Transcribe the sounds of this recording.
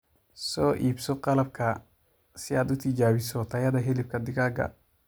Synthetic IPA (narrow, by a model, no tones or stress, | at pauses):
sɔːʔiːbsɔqɑlɐb̚kʰɐ | sɪaːd̪ʊt̪ʰɪd͡ʒaːβɪsɔt̪ʰɐjɐðɐɦɛlɪb̚kʰɐd̪ɪɣaːɡɐ̰